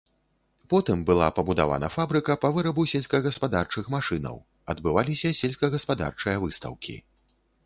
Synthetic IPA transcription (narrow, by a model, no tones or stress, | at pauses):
pɔt̪ɨmbɨlˠa̰pɐbud̪a̰va̰nɐ̰fabɾɨkɐpɐvɨɾɐbusʲɛlʲsʲkɐɣɐspad̪art͡ʂɨxmaʂɨnɐ̰w | ɐd̪bɨvalʲisʲɐsʲɛlʲsʲkɐɣɐspad̪a̰rt͡ʂɨjɐvɨst̪ɐ̰wkʲḭ